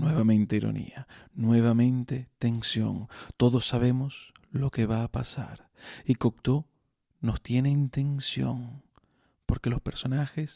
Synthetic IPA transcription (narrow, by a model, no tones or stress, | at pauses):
nwe̞βamẽ̞nt̪e̞iɾo̞̰nḭanwe̞β̞amẽ̞nt̪e̞t̪e̞nsjo̞̰ŋt̪o̞ðosːaβe̞mo̞slo̞ke̞βaːpasa̰ɾ | ikok̚t̪o | no̞st̪je̞ne̞int̪e̞nsjo̞̰ŋ | po̞ɾke̞lo̞spe̞ɾso̞naxe̞s